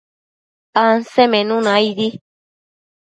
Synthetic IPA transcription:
ansemẽnũnãjði

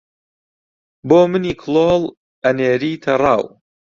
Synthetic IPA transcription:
boːmɨniːkʰloːl | ɐneːɾiːt̪ʰɐrˤɑːw

